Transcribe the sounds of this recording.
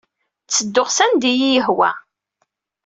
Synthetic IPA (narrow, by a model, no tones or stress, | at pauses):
t͡sːəd̪ːʊʁsænd̪ijijəɦwæ̰